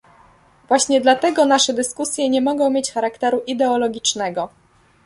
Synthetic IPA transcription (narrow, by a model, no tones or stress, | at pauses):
vwaɕɲɛd̪lat̪ɛɡɔnaʂɛd̪ɘskusʲjɛɲɛmɔɡɔ̃w̃mʲjet͡ɕxaɾakt̪ɛɾuʔid̪ɛɔlɔɡʲit͡ʂnɛɡɔ